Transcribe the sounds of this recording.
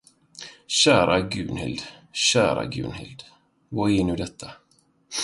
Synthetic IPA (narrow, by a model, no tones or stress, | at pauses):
ɕæːɾʔaɡʉ̟ːnhɪ̰ld̪ɕæːɾaɡʉ̟ːnhɪ̰ld̪ | vʊɾɪnʉːd̪ɛt̪ʰːa